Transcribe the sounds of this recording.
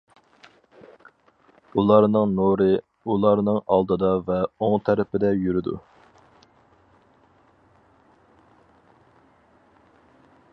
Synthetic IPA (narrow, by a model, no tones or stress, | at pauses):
ulˠɑɾnɨŋnoɾɨ | ulˠɑɾnɨŋɑ̰lˠd̪ɨd̪ɑvɛoŋt̪ʰæɾɪpɪd̪ɛjyɾɪd̪ṵ